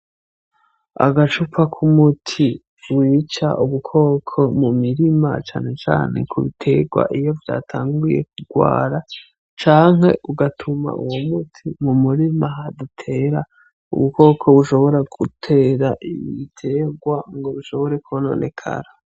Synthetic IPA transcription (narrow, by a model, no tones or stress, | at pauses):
a̰ɡat͡ʃupakʰumutʰi | wiːt͡ʃa̰ʔuβukʰo̞ːkʰo̞mumiɾima̰t͡ʃaːne̞t͡ʃa̰ːne̞̰kʰuβitʰe̞ɡwa̰ʔijo̞vja̰ːtʰaːŋɡuje̞̰k̚uɡwa̰ːɾa | t͡ʃaːŋɦe̞̰ʔuɡatʰuma̰ʔṵwomutʰimumuɾimaɦadutʰe̞ɾa | ṵβuko̞ːkʰo̞βuʃo̞βo̞ɾaɡutʰe̞ɾaʔijiitʰe̞ːɡwaŋɡo̞βuʃo̞βo̞ɾe̞kuono̰ːnʔe̞̰kʰa̰ɾa